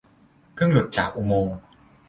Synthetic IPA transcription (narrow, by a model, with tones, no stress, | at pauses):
kʰɯ˥˩əŋlu˨˩t̪̚t͡ɕaː˨˩k̚ʔu˧moː˧ŋ